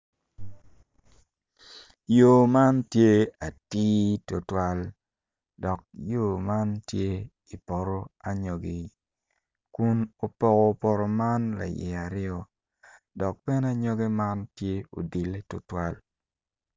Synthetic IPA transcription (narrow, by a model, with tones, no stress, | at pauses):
jo˨ma˦ntje˦a˨tiː˦to˨twa˦l | dɔ˨k̚jo˦˨ma˦ntje˦ | i˨pɔ˨ɾo˦a˨ɲo˨ɡi˨ | ku˦no˨pɔ˦ɡɔ˨pɔ˨ɾo˨ma˦nla̰˨jɛ̰˨a˨ɾɪɔ˦ | dɔ˨k̚pɛ˦na˦ɲɔ˦ɡe˦ma˦ntje˦o̰˨di˨le˦to˨twa˦l